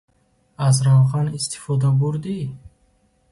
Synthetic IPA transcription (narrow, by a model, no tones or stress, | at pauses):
azɾawʁanist̪ʰi̥fɔd̪abuɾd̪i